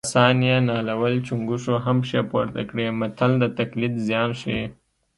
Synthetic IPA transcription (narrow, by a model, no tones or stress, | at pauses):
sɑnijanɑlawəlt͡ʃuŋɡuʂoɦamʂepoɾt̪akɽemat̪ʰald̪ət̪aklit̪zjɑːnʃi